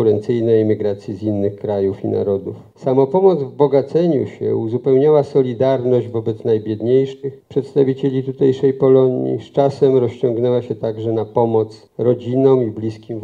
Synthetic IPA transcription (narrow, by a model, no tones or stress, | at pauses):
uɾɛnt̪sɘjnɛjimʲiɡɾat̪sʲjizinːɘxkɾajufḭna̰ɾɔd̪uf | samɔpɔmɔd̪zvbɔɡat̪sɛɲṵɕɛ̰uzupɛwɲawasɔlʲid̪aɾnɔʑd͡ʑvɔbɛt̪snajbʲjɛd̪ɲejʂɘxpʂɛt̪st̪avʲit͡ɕelʲit̪ut̪ɛjʂɛjpɔlɔɲḭst͡ʂasɛmɾɔɕt͡ɕɔŋɡnɛwaɕɛt̪aɡʐɛnapɔmɔt̪s | ɾɔd͡ʑinɔ̃wiblʲiskʲim